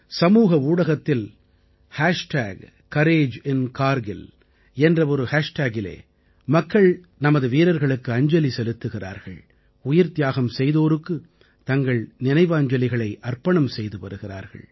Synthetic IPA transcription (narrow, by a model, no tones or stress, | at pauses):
sɐmuːɣɐuːɽɐɣɐt̪ːɪl | haːʂʈaːɡ | kɐɾeːd͡ʒɪnkaːɾɡɪl | ɛndrɐɔɾɯhaːʂʈaːɡɪlḛː | mɐkːɐɭ | nɐmɐðɯʋiːɾɐɾɣɐɭɯkːɯɐɲd͡ʒɐlisɛlɯt̪ːɯɣɪra̰ːɾɣɐ̰ɭ | ʊjɪɾt̪jaːɣɐmsɛjðoːɾɯkːɯ | t̪ɐŋɡɐɭnɪnɐɪʋaːɲd͡ʒɐlɪɣɐɭɐɪʔɐrpɐɳɐmsɛjðɯpɐɾɯɣɪra̰ːɾɣɐ̰ɭ